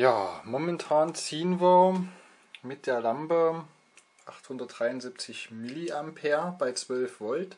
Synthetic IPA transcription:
jaːmomɛntʰaːnt͡siːənviːɐ | mɪt̚d̥eːɐlampə | ʔaχthʊndɐt̚d̥ʁ̥aɪʊnzip̚t͡sɪçmɪliampʰeːɐb̥aɪt͡sv̥œlfv̥ɔlt

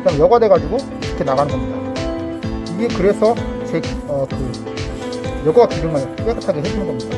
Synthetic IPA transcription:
t͡ɕamjʌɡadwe̞ɡad͡ʑuɡo | iɾʌkʰe̞naɡanɯnɡʌmɲida | iɡe̞kɯɾe̞sʰʌt͡ɕekʌkɯ | jʌɡʌɡakiɡoŋɯɭp͈ek͈ɯ̥tʰaɡeɦed͡ʑinŋɡʌmɲida

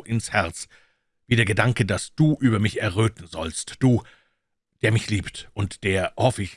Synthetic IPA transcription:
ʔɪnshɛɐt͡s | viːdeːɐɡədaŋkədasd̥uːʔyːbɐmɪçɛɐʁøːtn̩zɔ̰lstd̥uː | d̥eːɐmɪçliːptʔʊntd̥eːɐhɔfəɪç

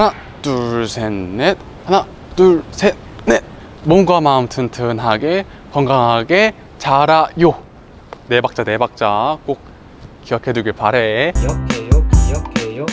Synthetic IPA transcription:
ana | tuɭsʰenːet̚ | hana | tuɭsʰe | ne | monɡwamaɯmtʰɯntʰɯnɦaɡe | kʌŋɡaŋɦaɡe | t͡ɕaɾajo | ne̞bak̚t͡ɕ͈ane̞bak̚t͡ɕ͈ak͈ok̚ | kːiʌkʰe̞duɡiɭpaɾe̞

